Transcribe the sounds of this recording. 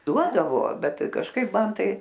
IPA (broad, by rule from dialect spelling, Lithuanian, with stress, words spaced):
ˈduɔdɐʋoː ˈbʲɛt kɐʃˈkɐɪp ˈmɐn ˈtɐɪ